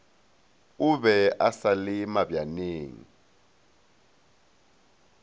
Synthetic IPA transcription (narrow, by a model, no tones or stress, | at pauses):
ʊβɛasalɪmabjaneːŋḭ